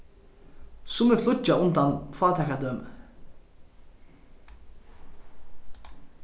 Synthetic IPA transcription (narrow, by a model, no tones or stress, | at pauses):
sʊmɪflʊcːaʊnt̪anfaːt̪ʰɛkad̪œːm